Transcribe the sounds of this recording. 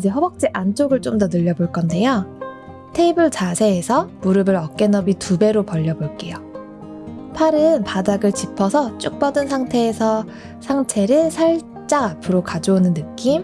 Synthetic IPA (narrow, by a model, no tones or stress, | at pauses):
id͡ʑe̞ɦʌbʌk̚t͡ɕ͈eʔant͡ɕ͈ʰoɡɯɭt͡ɕ͈omdʌnɯʎːʌboɭk͈ʌnde̞jo | tʰe̞ibɯɭt͡ɕasʰe̞ːsʰʌmuɾɯbɯɾʌk͈e̞nʌbitube̞ɾopʌʎːʌboɭk͈e̞jo | pʰaɾɯnpadaɡɯɭt͡ɕipʰʌsʰʌt͡ɕ͈uk̚p͈ʌdɯnsʰaŋtʰe̞ːsʰʌ | sʰaŋtʰe̞ɾɯsʰaɭ | t͡ɕ͈aŋapʰɯɾokad͡ʑounɯnːɯk͈im